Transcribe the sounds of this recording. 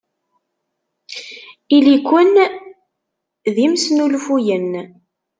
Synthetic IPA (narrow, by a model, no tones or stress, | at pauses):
ilikʷːən | ðimsnulfujən